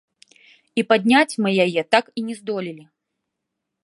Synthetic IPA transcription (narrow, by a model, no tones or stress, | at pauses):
ipad̪ʲnʲat͡sʲmɨjajɛt̪akinʲɛzd̪ɔlʲilʲi